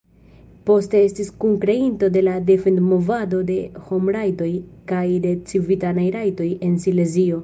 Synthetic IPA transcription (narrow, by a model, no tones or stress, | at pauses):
po̞ste̞estiskuŋkɾeinto̞de̞lade̞fe̞ndmo̞vado̞de̞ho̞mɾajto̞jkajde̞t͡sivitanajɾajto̞je̞nsile̞zio̞